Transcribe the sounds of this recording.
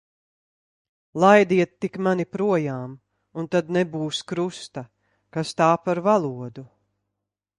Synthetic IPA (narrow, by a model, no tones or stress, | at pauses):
lˠajd̪iɛt̪ːikmanipɾuɔjaːm | unt̪ad̪nɛbuːskɾust̪a | kast̪aːpaɾvalˠuɔd̪u